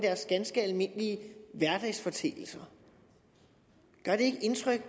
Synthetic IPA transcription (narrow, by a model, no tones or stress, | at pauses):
d̥æɐsɡ̥ænsɡ̥əælme̝n̰liəʋæɐd̥ɛɪsfɒ̽t͡sʰḛːl̩sɐ | ɡ̥ɶɐɾ̥e̝e̝ɡ̥əʔe̝nt͡sʰʁœɡ̥